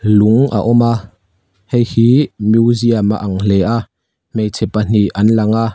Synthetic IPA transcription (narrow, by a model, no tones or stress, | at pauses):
luŋʔa̰ʔɔma | hejhiːmjuziamaʔaŋlɛʔaʔ | mejt͡sʰɛpan̥iʔɐnlɐŋa